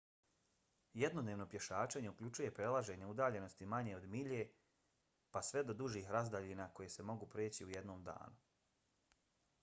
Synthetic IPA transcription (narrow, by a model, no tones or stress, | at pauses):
jed̪nod̪neʋno̞pje̞ʃaːt͡ʃeɲe̞ukʎut͡ʃuje̞pɾe̞lˠaʒe̞ɲe̞ud̪aːʎe̞no̞st̪imaɲe̞o̞d̪miʎe̞ | pasʋe̞d̪o̞d̪uʒiːxɾazd̪aʎinaːko̞jese̞mo̞ɡupɾeːt͡ɕiuje̞d̪no̞ːmd̪a̰ːnu